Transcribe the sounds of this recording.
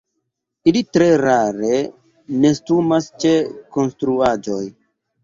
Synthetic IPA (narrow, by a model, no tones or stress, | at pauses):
ilitɾe̞ɾaɾe̞ | ne̞stumast͡ʃe̞ko̞nstɾuad͡ʒo̞j